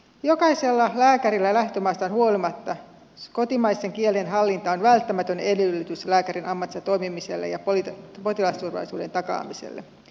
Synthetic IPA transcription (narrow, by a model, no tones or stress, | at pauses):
jo̞kɑiselːɑlæːkæɾilːælæht̪ømɑːst̪ɑnhuo̞limɑt̪ːɑ | ko̞t̪imɑist̪eŋkielenɦɑlːint̪ɑonʋælt̪ːæmæt̪ønelilːit̪yslæːkæɾinɑmːɑt̪ːisɑt̪o̞imimisḛlːḛjɑpopot̪ilɑst̪urʋɑ̰lːˑisṵːde̞nt̪ɑkɑ̰ːmisḛlːḛ